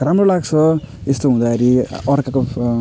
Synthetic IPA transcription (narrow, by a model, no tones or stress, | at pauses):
ramrolaɡt͡sʰʌest̪oɦũd̪akʰeɾiʌrkako